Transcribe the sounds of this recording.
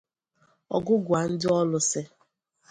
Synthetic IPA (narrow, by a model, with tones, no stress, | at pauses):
ɔ̰˨ɡʊ˦ɡʊ˨a˨n̩˦dɪ˦ɔ˦lʊ˦sɪ˦